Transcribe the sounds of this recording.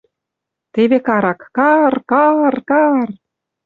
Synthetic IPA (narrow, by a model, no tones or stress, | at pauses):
t̪eβekɑɾɑkkɑrkɑrkɑr